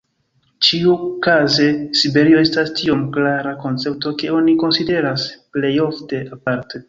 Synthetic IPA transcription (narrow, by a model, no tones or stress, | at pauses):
t͡ʃiukaze̞sibe̞ɾio̞e̞stastio̞mklaɾako̞nt͡se̞p̚to̞ke̞o̞niko̞nside̞ɾasple̞jo̞fte̞ʔapaɾte̞